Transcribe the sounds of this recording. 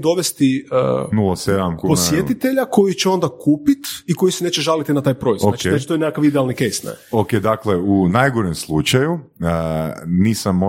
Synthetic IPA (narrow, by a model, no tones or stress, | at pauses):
d̪o̞ʋest̪iə̰nulˠased̪amkuposjet̪it̪eʎako̞jit͡ɕeo̞nd̪akuːpit̪iko̞jisene̞ːt͡ʃeʒalit̪inat̪aːjpɾo̞izoaaienat͡ʃit̪ojnekakaʋid̪ɛalˠnikejst̪nɛ̰oked̪akleunajɡoɾemslˠut͡ʃaju | niːsamːo